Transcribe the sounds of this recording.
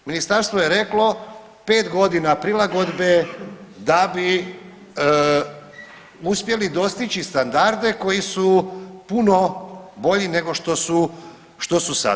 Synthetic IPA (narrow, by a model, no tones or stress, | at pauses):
minist̪aɾst̪ʋo̞jeɾe̞klo̞ | pe̞ːt̪ɡo̞d̪inapɾilaɡo̞d̪be̞d̪abi | uspje̞lid̪o̞st̪it͡ʃist̪and̪aɾd̪e̞ko̞jisupuno̞bo̞ʎine̞ɡo̞ʃt̪o̞su | ʃt̪o̞susa̰